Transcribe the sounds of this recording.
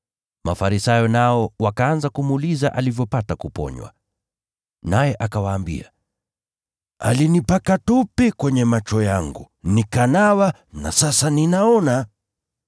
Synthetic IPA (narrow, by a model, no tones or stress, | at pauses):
mafaɾisajɔnaɔwakaanzakumuːlizaʔalivjɔpatakupɔ̰ɲwa̰ | najɛʔakawaːmbḭa | a̰linipakatupɛkwɛɲɛmat͡ʃɔjaŋɡṵ | nikanawa | na̰sasaninaɔna